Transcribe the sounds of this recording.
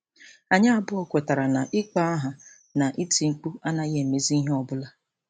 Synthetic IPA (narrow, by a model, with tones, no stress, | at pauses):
a˨ɲa˦a˦˨bʊ˦ɔ˦kʷe˨ta˨ɾa˨na˨ʔɪ˦k͡pa˦a˦ɦa˨ | na˨ʔi˦ti˨ŋ͡m̩˨k͡pu˦a˦na˦ɣe˨me˨zi˦i˦ɦe˦ɔ˨bʊ˦la˦